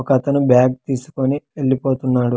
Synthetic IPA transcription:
kɐt̪ɐnubjaːɡ̚t̪iːsu̥konieɭːipo̞ːt̪unːaːɽu

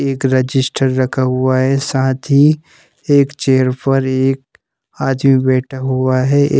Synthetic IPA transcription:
eːkɾəd͡ʒɪsʈəɾːɐkʰaɦʊaɦɛsaːt̪ʰɦi | eːkt͡ʃeːɾpɐɾeːk̚ | aːd̪mibɛːʈʰaɦʊaɦɛʔ

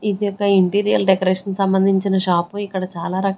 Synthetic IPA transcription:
id̪ijɔkːɐiɳʈiːɾijɐlɖekoɾeːʂɐnsɐmbɐnd̪ʱiɲt͡ʃinɐʃaːpuikːɐɽɐt͡ʃaːlaːɾɐk

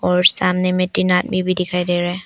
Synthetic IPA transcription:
ɔɾsamnemit̚ːinat̚bibidikʰajdeɾɛ

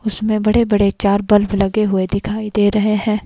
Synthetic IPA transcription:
ʊsmẽbɐɽebɐɽet͡ʃaːɾbɐlblɐɡeɦʊed̪ɪkʰaːid̪eːɾɐɦeɦɛ̃ː

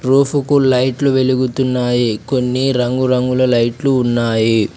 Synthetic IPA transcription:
ɾuːpukulɐjʈluʋe̞luɡut̪unːaːjikonːiɾɐŋɡuɾɐŋɡulɐlɐjʈluːnːaːji

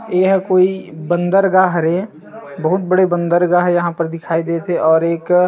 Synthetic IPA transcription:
eːɦkoːibə̃nd̪əɾɡaːɦɾe | bəɦʊt̪̚bəɽebə̃nd̪əɾɡaːɦjɐɦãpəɾd̪ɪkʰaːid̪et̪ʰeʔɔːɾeːk

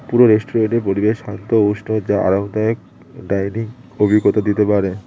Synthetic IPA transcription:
puɾoɾesʈoɾeɳʈeɾpoɾibeʃant̪ooʃnod͡ʑaa̰ɾand̪aok̚ | ɖajniŋ | obʱiɡːot̪ad̪it̪epaɾe

